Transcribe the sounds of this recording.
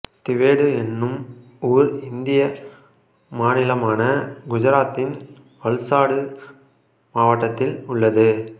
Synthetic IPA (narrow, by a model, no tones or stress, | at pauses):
t̪ɪʋeːɽɯɛnːɯm | uːɾɪnd̪ɪjɐ | maːnɪlɐmaːnɐɡʊd͡ʒɐɾaːt̪ːɪn | ʋɐɭsaːɽɯ | maːʋɐʈːɐt̪ːɪlʊɭːɐðɯ